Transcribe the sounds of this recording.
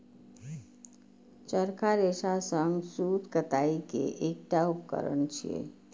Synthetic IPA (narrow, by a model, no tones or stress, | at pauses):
t͡ʃəɾkʰaɾeʃasəŋɡsud̪kət̪aikḛʔek̚ʈaupkə̰ɾə̰ɳt͡ʃʰḭḛ